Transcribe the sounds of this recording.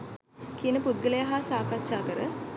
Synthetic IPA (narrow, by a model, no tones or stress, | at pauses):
kiənəpud̪̚ɡələjaɦasaːkaʃaːkəɾə